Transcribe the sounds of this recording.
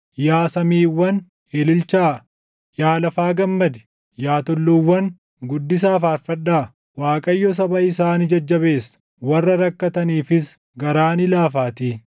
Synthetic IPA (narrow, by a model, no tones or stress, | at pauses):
jaːsɐmiːwːɐn | eːlɪlt͡ʃaː | jaːlɐfaːɡɐmːɐd̪ɛ̥ | jaːt̪ɔlːuːwːɐn | ɡʊd̪ːɪs̬aːfaːɾfɐᶑaː | waːkʼɐjːɔs̬ɐbɐɪsaːnɪd͡ʒɐd͡ʒːɐβe̞ːsɐ̥ | wɐrːɐɾɐkːɐt̪ɐniːfɪs | ɡɐɾaːnɪlaːfaːt̪iː